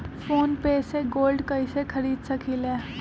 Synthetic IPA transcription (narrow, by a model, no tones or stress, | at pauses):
foːnpeːseɡoːlɖkəjsekʰəɾiːd̪səkʰilẽ